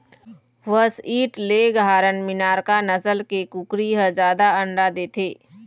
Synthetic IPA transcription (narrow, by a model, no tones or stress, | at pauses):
ʋəsiːʈleɡɦaːɾənmɪnaːɾkanəsəlkekʊkɾiɦəd͡ʒaːd̪aə̃ɳɖad̪eːt̪ʰeː